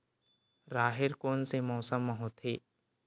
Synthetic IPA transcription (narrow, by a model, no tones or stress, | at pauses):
ɾaːɦɪɾkoːnsemɔːsəmːəɦoːt̪ʰheː